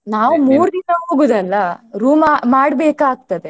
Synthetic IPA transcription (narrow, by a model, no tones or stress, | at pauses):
naːʋumuːɾd̪inɐɦo̞ːɡuːd̪ɐlːɐɾuːmamaːɽbeːkaːɡ̚t̪ɐd̪e